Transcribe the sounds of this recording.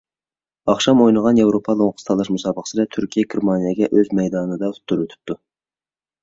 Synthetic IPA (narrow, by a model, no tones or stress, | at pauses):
ɑχʃɑmojnəʁɑnjewɾopʰɑlˠoŋqʰə̥st̪ʰɑlˠɑʃmusɑːbəqə̥sɨɾɛt̪ʰyɾkʲʰijɛɡʲeɾmɑnijɑɡʲɛʔøzmɛjd̪ɑnd̪ɑt̪ʰu̥t̪ʰːʊɾwøt̪ʰy̥p̚t̪ʰu